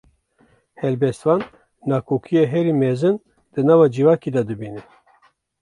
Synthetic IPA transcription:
hɛlbɛst̪vɑːnː | ɑːkʰoːkʰijeɦɛɾiːmɛzɨn | d̪̥ɨnɑːvɑːd͡ʒivɑːkid̪ɑd̪ɨbiːnɨ

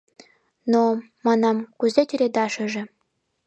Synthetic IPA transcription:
no | mɑnɑmkuzetʲyɾed̪ɑʃə̆ʒĕ

